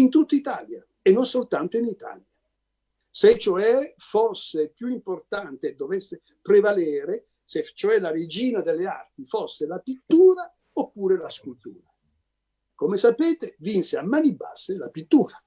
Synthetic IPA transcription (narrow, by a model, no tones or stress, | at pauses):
int̪ut̪ːit̪a̰ːlja | enːonsolt̪ant̪oinit̪a̰lja | set͡ʃːoɛforsepjuimport̪ant̪ed̪ovɛsːe | pɾevalɛːɾe | set͡ʃːoɛlared͡ʒiːnad̪elːea̰rt̪ifosːelapit̪ːuːɾa | opːuːɾelaskult̪ṵːɾa | komesapeːt̪evinseamːanibːa̰sːelapit̪ːuːɾa